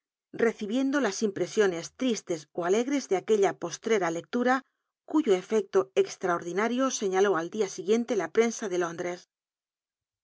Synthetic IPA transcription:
re̞θiβje̞nd̪o̞lasimpɾe̞sjo̞ne̞st̪ɾist̪e̞soale̞ɣɾe̞zðeake̞ʎapo̞st̪ɾe̞ɾale̞k̚t̪uɾa | kuʝoe̞fe̞k̚t̪o̞ekst̪ɾaoɾðinaɾjo̞se̞ɲalo̞ald̪iasiɣje̞nt̪e̞lapɾe̞nsaðe̞lo̞nd̪ɾe̞s

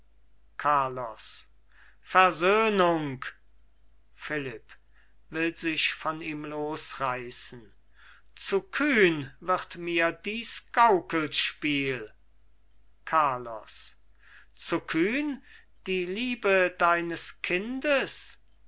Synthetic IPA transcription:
kʰaɐlɔ̰s | fɛɐzøːnʊŋk | fɪlɪp | vɪlzɪʃfɔniːmloːsʁaɪsn̩ | t͡sukʰyːnvɪʁtmiːɐdiːsɡ̥aʊkəl̩tʃpiːl | kʰaːɐlɔ̰s | t͡sukʰyːn | d̥iːliːbədaɪnəskʰɪndəs

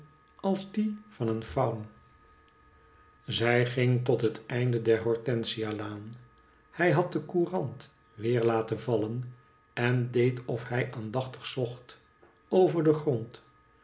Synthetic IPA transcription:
ɑlˠzdifɑnənfɑwm | zɛjχɪŋtɔtɦətɛjndədɛɹɦɔɹtɛnsialaːn | hɛjɦɑt̚dəkuːrɑnt | ʋɪːɹlaːtənvɑlən | ɛndejtɔfɦɛjʔaːndɑχtə̥χsɔχt | owvəɹdəχrɔnt

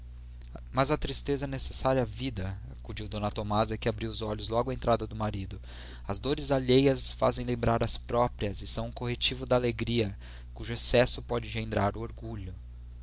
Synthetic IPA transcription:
mɐzɐt̪ɾist̪ezɐnesesaɾjɐavid̪ɐakud͡ʒiwd̪õnɐt̪omazɐkɪabɾiwʊzɔʎʊzlɔɡʊɐẽnt̪ɾad̪ɐd̪ʊmaɾid̪ʊ | ɐzd̪oɾɪzaʎejɐsfa̰zẽj̃lẽmbɾaɾɐspɾɔpɾiɐzɪsɐ̃w̃ʊ̃kohet͡ʃivʊd̪ɐaleɡɾiɐ | kuʒʊesɛsʊpɔd͡ʒɪʒẽnd̪ɾaɾʊoɾɡuʎʊ

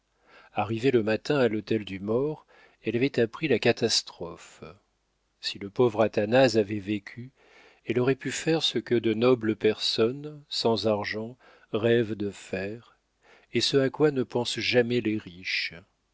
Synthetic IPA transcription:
aʁiveləmat̪ɛ̃alot̪ɛld̪ymɔʁ | ɛlavɛt̪apχilakat̪ast̪χɔf | siləpovʁat̪anazavɛvekʲʰy | ɛlɔʁɛpyfɛʁsəkəd̪ənɔbləpɛʁsɔnsɑ̃zaʁʒɑ̃ | ʁɛvd̪əfɛʁ | esəakwanəpɑ̃sʒamɛlɛʁiʃ

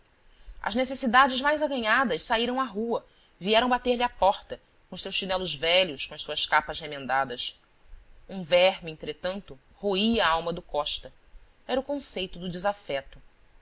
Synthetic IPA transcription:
ɐ̰ʒnesesid̪ad͡ʒɪʒmajzaɡɐɲad̪ɐʃsaiɾɐ̃w̃aɦuɐ | viɛɾɐ̃w̃bat̪eɾlɪapɔχt̪ɐ | kõʊʃsewʃinɛlʊzvɛʎʊskõɐʃsuɐʃkapɐzhemẽnd̪ad̪ɐs | ũvɛɾmẽnt̪ɾet̪ɐ̃nt̪ʊ | hoiɐaawmɐd̪ʊkɔʃt̪ɐ | ɛɾɐʊkõsejt̪ʊd̪ʊd͡ʒɪzafɛt̪ʊ

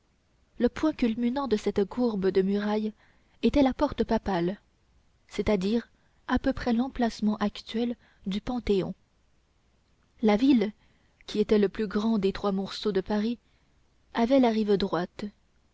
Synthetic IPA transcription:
ləpwɛ̃kʲylmynɑ̃d̪əsɛt̪kuʁbəd̪əmyʁaj | et̪ɛlapɔʁt̪əpapal | sɛt̪ad̪iːʁ | apøpχɛlɑ̃plasmɑ̃ʔakt̪ɥɛl | d̪ypɑ̃t̪eɔ̰̃ | lavil | kʲʰiet̪ɛləplyɡʁɑ̃d̪et̪χwamɔʁsod̪əpaʁi | avɛlaʁivd̪ʁwat̪

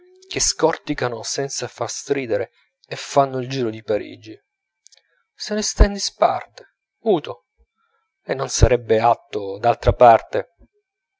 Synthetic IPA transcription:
k̟eskɔrt̪ikanosɛnt̪safarst̪ɾiːd̪eɾeː | fːanːoild͡ʒiːɾod̪ipaɾḭːd͡ʒːi | senest̪ɛnd̪ispa̰rt̪e̥ | uːt̪o | enːonsaɾɛbːeat̪ːod̪alt̪ɾapart̪e

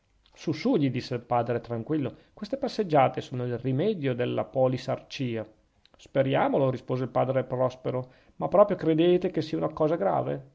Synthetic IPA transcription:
susuʎid̪isːelpaːd̪ɾet̪ɾaŋkwilːokwest̪epasːed͡ʒːaːt̪esoːnoilrimɛːd̪jod̪elːapɔlisart͡ʃiːa | speɾjaːmoloɾispoːzeilpaːd̪ɾepɾɔspeɾo | mapːɾɔːpɾjokɾed̪eːt̪ekesiːaunakɔːzaɡɾa̰ːvḛ

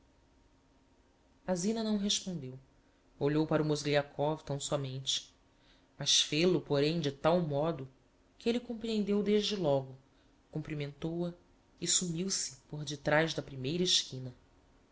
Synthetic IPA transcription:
azĩnɐnɐ̃w̃ɦeʃpõnd̪ew | oʎowpaɾumozliakʰɔvt̪ɐ̃w̃sɔmẽnt͡ʃɪ̥ | mɐʃfelʊpoɾẽj̃d͡ʒɪt̪awmɔd̪ʊ | kɪelɪkõpɾiẽnd̪ewd̪eʒd͡ʒɪlɔɡʊ | kũmpɾimẽnt̪owɐ | ɪsumiwsɪ̥poɾd͡ʒɪt̪ɾajʒd̪ɐpɾimejɾɐɪʃkĩnɐ

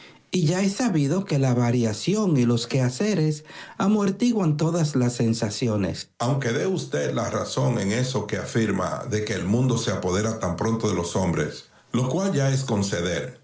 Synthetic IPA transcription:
iʝaesaβiðo̞ke̞laβaɾjasjo̞ŋilo̞skease̞ɾe̞samo̞ɾt̪iɣwant̪o̞ðaslasːe̞nsasjo̞nḛsawŋke̞ðe̞ust̪e̞d̪laraso̞ŋe̞ŋe̞so̞ke̞afiɾma̰ðe̞ke̞ːlmũnd̪o̞se̞apo̞ðe̞ɾat̪ampɾo̞nt̪o̞ðe̞lo̞so̞mbɾe̞̰s | lo̞kwalʝae̞sko̞nse̞ðe̞ɾ

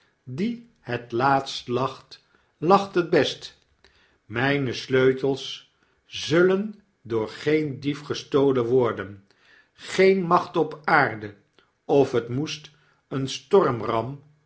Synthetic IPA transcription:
di | hətlaːtstlɑχt | lɑχtəd̚bɛst | mɛjnəsløɥtəlˠs | zɵlən | dʊːɹχejndifχəstowlənʋɔɹdən | χejnmɑχtɔpaːɹdə | ɔfətmust | ənstɔrmrɑm

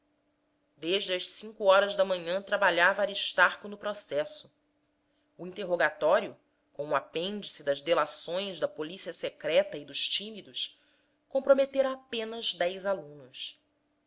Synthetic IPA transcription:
d̪eʒd͡ʒɪɐʃsĩŋkuɔɾɐzd̪ɐmɐ̃ɲɐ̃t̪ɾabaʎavɐaɾiʃt̪aχkʊnʊpɾosɛsʊ | uĩnt̪eɦoɡat̪ɔɾjʊ | kõũapẽnd͡ʒisɪd̪ɐzd̪elasõj̃zd̪ɐpolisiɐsekɾɛt̪ɐid̪ʊʃt͡ʃimid̪ʊs | kõpɾomet̪eɾɐːpẽnɐzd̪ɛjzalũnʊs

